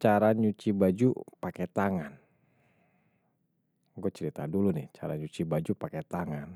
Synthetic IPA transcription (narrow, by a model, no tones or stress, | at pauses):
t͡ʃaɾaɲut͡ʃibad͡ʒupakɛt̪aŋan | ɡɔt͡ʃəɾit̪a̰dulunɪ̰ht͡ʃaɾaɲut͡ʃibad͡ʒupakɛt̪aŋan